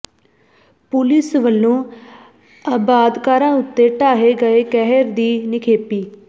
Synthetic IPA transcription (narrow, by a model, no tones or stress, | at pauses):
pʊlɪsʋəlːõː | aːbaːd̪kaːɾãːʊt̪ːeːʈaːɦeːɡəeːkɛɦəɾd̪iːnɪkʰeːpiː